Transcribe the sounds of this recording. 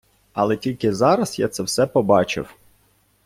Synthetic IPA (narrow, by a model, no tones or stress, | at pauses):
ɐlˠɛtʲilʲkɪzɑɾɐsja̰t̪sɛwsɛpɔbɑt͡ʃɪ̰w